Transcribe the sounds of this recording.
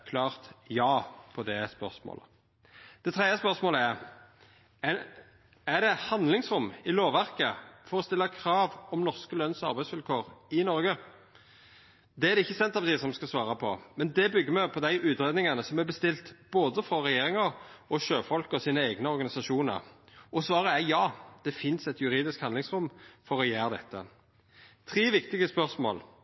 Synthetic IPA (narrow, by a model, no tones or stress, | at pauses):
kʰlɑːʁt̪jɑːpʰɔd̪ɛspœ̰ʁsmo̰ːlə | d̪̥ɛt̪ʰɾɛd̪əspœʁsmoːləæʁ | æʁd̪ɛhɑnd̪lɪŋsɾʊmɪloːʋæʁkəfɔɾɔst̪ɪlːɑkʰɾɑːʋɔmnɔʁskəlœnsɑ̰ɾbæɪsʋɪlkʰoːʁɪnɔɾɡə | d̪ɛæɾd̪ɛɪçːəsɛnt̪ːɑpɑt̪iːsɔmskɑsʋɑːɾɑpʰɔmɛnd̪ɛbʏɡːəmɛpʰɔd̪æɪʔʉːt̪ɾeːd̪nɪŋɑnəsɔmæbəst̪ɪlt̪b̥oːd̪əfɾɔʁɛjeːɾɪŋəɾɔʃøːfɔlkəɔsiːnəæɪɡnəɔʁɡɑnɪsɑʂuːnə̰ʁʔɔsʋɑːʁəæjɑːd̪̥ɛfɪnsɛt̪ʰjʉɾiːd̪ɪskhɑnd̪lɪŋsʁʊmfɔɾɔjæːʁd̪ɛt̪ːə̰ | t̪ʰɾeːʋɪkt̪ɪɡəspœʁsmo̰ːl